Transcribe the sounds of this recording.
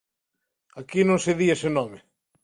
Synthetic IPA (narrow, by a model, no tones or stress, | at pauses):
akinõŋseðiesenɔme